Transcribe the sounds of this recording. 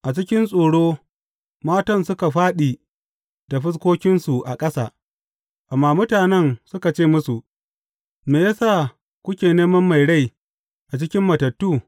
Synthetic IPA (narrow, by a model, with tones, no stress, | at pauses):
ʔa˨t͡ʃɪ˦kʲɪ˦nsʼoː˨ɽoː˦ | maː˦tɐ˦˨nsʊ˦ka˨ɸaː˦ɗiː˨ | da˨ɸɪ˦s̬kʷoː˦kʲɪ˦nsu˨ʔa̰˨kʼɐ˦sa̰ː˨ | ʔa˨mːaː˦mʊ˦taː˨nɛ˦˨ŋsʊ˦ka˨t͡ʃeː˦˨mʊ˦su˨ʔ | meː˨ja˦sa˦˨ | kʷʊ˦kʲeː˨neː˦mɐ˦mːa˨jɽa˦˨j | ʔa˨t͡ʃɪ˦kʲɪ˦mːɐ˨tɐ˨tːuː˦˨